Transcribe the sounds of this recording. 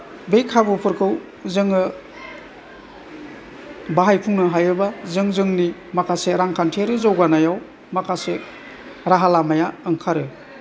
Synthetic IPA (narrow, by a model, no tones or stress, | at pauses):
bejkʰabɯpʰɯɾkʰɯw | zɯŋɯ | baɦajpʰuŋnɯɦajɯbazɯŋzɯŋnimakʰaseɾaŋkʰantʰɾɯzawɡanajaw | makʰase | ɾaɦalamajaɯŋkʰaɾɯ